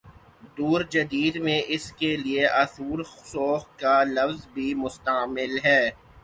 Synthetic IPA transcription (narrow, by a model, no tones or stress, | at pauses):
d̪uːɾd͡ʒɐd̪iːd̪mẽʔɪskelieʔɐsuːɾsoːxkalɐfzbʱimʊst̪əːmɪlɦɛː